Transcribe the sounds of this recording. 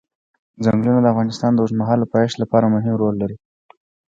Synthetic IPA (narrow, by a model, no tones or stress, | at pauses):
zaŋɡlunad̪əafɣɑnɪst̪ɑnd̪əoʂmaɦɑlapɑʃt̪lapɑɾamʊɦɪmɾolːaɾi